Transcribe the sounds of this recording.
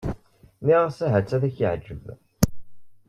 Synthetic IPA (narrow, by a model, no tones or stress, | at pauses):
miʁəsæɦæt͡sːæðæçəʕd͡ʒːəv